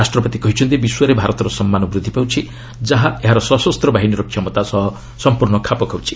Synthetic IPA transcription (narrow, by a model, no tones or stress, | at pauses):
asʈɾɔpɔt̪ikɔɦit͡ʃʰɔnt̪ibiswɔɾebʱaɾɔt̪ɔɾɔsɔmːanɔbɾud̪ʱːipawt͡ʃʰi | d͡ʒaɦaeɦaɾɔsɔsɔst̪ɾɔbaɦiniɾɔkʰːjɔmɔt̪asɔɦɔ | sɔmpuɾɳɔkʰapɔkʰawt͡ʃʰi̥